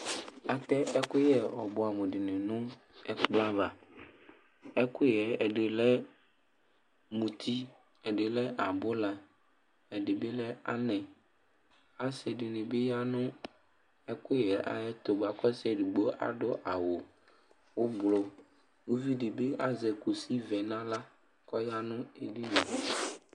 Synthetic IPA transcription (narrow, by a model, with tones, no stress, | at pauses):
a˨t̪ɛ˦ʔɛ˦kʊ˦jɛ˨ɔ˨bʊ˨a˨mũ˨ɖɪ˨nɪ̃˨nʊ̃˦ | ɛ˦k͡pla˦va˨ | ɛ˦kʊ˦jɛ˨ɛ˨ɖe˨lɛ˦ | mũ˨t̪ʰi˦ | ɛ˨ɖe˨lɛ˦a˨bʊ˦la˨ | ɛ˨ɖɪ˨be˦lɛ˦a˦nɛ̃˨ | a˦sɛ˨ɖɪ˨nɪ̃˨be˦ja˦nʊ̃˦ | ɛ˦kʊ˦˨jɛ˨ʔa̰˨jɛ˦t̪o˨ɡ͡ba˨kɔ˦sɛ˨ɖu˨ɡ͡bo˦ʔa̰˨ɖʊ˦ʔa˨wo˨ | wo˦blo˨ | wo˦vi˦ɖi˨be˦ʔa˦zɛ˨ku˨si˦vɛ˨nã˦la˦ | kɔ˦ja˦nʊ̃˦e˨ɖi˦nɛ˨